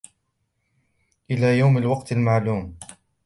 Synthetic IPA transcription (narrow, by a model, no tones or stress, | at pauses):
ʔɪlaːjawmalwɑqt̪lmaʕluːm